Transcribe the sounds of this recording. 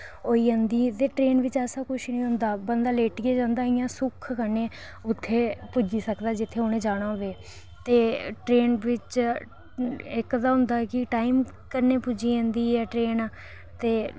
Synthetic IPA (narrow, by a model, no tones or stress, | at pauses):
oːiːə̃nd̪iːt̪eːʈɾeːnʋɪt͡ʃɛːsãːkʊʃnĩːɦʊ̃nd̪aːbənd̪aːleːʈɡeːd͡ʒãːnd̪aːɦɪjãːsʊkʰkəɾnẽː | ʊt̪ʰːeːpʊd͡ʒiːsəkd̪aːd͡ʒɪt̪ʰːeːɦonẽːd͡ʒaːɽ̃ãːʋeː | t̪eːʈɾeːnʋɪt͡ʃ | ɪkd̪aːɦʊ̃nd̪aːkɪʈaːim | kəɾneːpʊd͡ʒiːə̃nd̪iːɛːʈɾeːn | t̪eː